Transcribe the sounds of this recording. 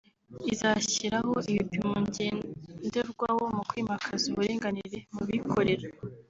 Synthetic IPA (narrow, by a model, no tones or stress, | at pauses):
izaːçiɾaɦoiβipimoɲɟe̞ːndeɾɡwawomukwimakʰazuβuɾiːŋɡaniɾe̞muβikʰo̞ɾe̞ɾa